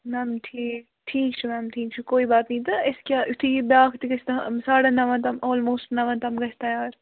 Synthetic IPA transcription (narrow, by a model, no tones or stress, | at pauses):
mɛːmʈʰiːk | ʈʰiːkt͡ʃʰumæːmʈʰiːk̚t͡ʃʰukoːibaːt̪nɐĩt̪ɐɪskʲjaːʊt̪ʰibʲaːkʰt̪iɡɐt͡ʃʰt̪ɐsaːɽɐnɐʋɐ̃nt̪ɐmoːlmoːsʈnɐʋɐ̃nt̪ɐmɡɐt͡ʃʰt̪ɐjaːɾ